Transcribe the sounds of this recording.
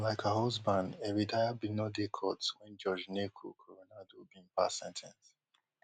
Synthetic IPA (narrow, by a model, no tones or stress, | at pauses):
laɪkahɔzbãndeɹidajabinɔdekʰɔtwɛ̃nd͡ʒɔd͡ʒnekʰo̰kʰɔɹonadobĩpa̰sɛ̃ntʰɛ̃ns